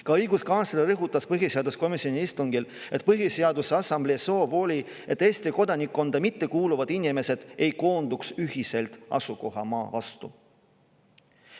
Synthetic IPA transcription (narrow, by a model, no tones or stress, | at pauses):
kɑɤjɡuskɑnselɾɤɦut̪ːˑɑspɤɦjise̞ɑd̪usko̞misionʲiist̪uŋɡile̞t̪̚pɤɦjise̞ɑd̪useɑsɑmbleso̞ːvo̞ːlʲi | e̞t̪ːeːst̪iko̞d̪ɑnikːˑo̞nd̪̥ɑmit̪ːe̞kuːluvɑd̪̥inʲime̞se̞d̪̥e̞jko̞ːnd̪̥uksyɦise̞lt̪ɑ̰suko̞ɦɑ̰mɑːvɑst̪ṵ